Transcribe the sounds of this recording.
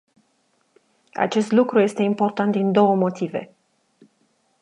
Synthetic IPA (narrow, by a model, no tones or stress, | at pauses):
a̰t͡ʃe̞st̪lukɾuje̞st̪e̞impo̞rt̪ant̪̚d̪ind̪o̞wəmo̞t̪ivḛ